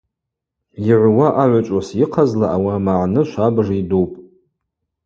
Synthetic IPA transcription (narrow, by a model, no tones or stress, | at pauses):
jiʕʷwaʔaʕʷat͡ʃʷʼasiqʰazlaʔawamaʕnɨʃʷabʐidowpʼ